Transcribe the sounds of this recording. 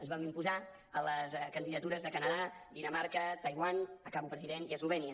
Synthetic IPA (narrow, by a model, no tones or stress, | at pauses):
əzβamimpuza | ələskənd̪iðət̪uɾəzðəkənəðad̪inəmaɾkət̪əjβwanəkaβupɾəziðeniəsluβɛniə